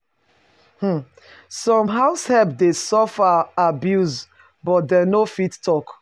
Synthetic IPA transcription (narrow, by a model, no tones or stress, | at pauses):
h̩ | sɔ̃mɦaʊshɛpdesɔfaabjuz | bɔt̚dɛnofittɔk